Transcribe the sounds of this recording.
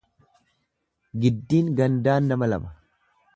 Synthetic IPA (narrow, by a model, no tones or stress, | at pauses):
ɡɪd̪ːiːŋɡɐnd̪aːnːɐmɐlɐ̰mɐ